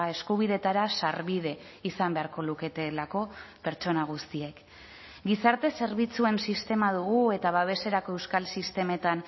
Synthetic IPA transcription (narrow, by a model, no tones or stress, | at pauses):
e̞skuβ̞iðe̞t̪aɾasaɾβið̞e̞isambe̞aɾko̞luke̞t̪e̞lako̞pe̞ɾt͡ʃo̞naɣ̞ust̪ie̞k | ɡisaɾt̪e̞se̞ɾβ̞it͡sue̞nsist̪e̞maðuɣue̞t̪aβaβ̞e̞se̞ɾako̞e̞wskalsist̪e̞me̞t̪an